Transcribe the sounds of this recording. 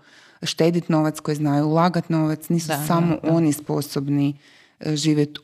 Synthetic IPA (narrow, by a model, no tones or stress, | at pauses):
ʃt̪eːd̪it̪no̞ʋat̪sko̞jznaːjulˠaɡat̪no̞ʋat̪sniːsusamoʔonispo̰sobni | ʒiːʋʲjet̪